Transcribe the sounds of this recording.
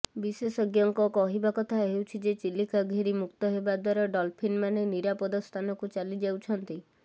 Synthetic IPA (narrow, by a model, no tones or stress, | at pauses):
bisesɔɡjɔŋkɔkɔɦibakɔt̪ʰaɦewt͡ʃʰid͡ʒet͡ʃilːikaɡʱiɾimukt̪ɔɦebad̪aɾɔɖɔlpʰinmaneniɾapɔd̪ɔst̪ʰanɔkut͡ʃalid͡ʒawt͡ʃʰɔnt̪i